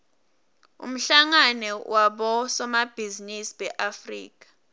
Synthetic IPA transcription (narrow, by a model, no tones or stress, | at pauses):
ṵm̩ɬaŋanɛwʔaɓɔsɔmab̥ʱizinisɓɛʔafrḭːk̬ʼḁ